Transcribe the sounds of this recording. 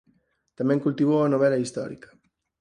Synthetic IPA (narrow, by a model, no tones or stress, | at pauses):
t̪amẽŋkult̪iβoanoβ̞ɛlaist̪ɔ̰ɾḭkɐ̥